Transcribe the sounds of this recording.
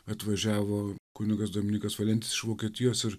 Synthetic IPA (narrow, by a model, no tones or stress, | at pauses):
ɐt̪ʋɐʒʲæːʋoːkʊnʲɪɡɐsd̪oːmʲɪnʲiːkɐsʋɐlʲɛnt̪ʲɪsɪʃʋoːkʲiɛt̪ʲɪjoːsɪɾ